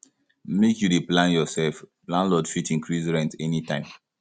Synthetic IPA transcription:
mekjudeplãnjɔsɛlfplãnlɔdfitĩŋkʰɹisɹɛ̃ntɛnitãɪ̃m

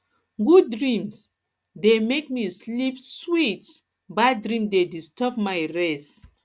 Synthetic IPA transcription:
ɡudɹĩms | demek̚mislipswit | badɹĩmdedistɔpmajɹɛs

